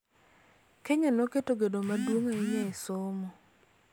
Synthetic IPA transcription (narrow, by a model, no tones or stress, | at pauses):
keɲanoketoɡedomadwoŋaiɲaɪsʊmɔ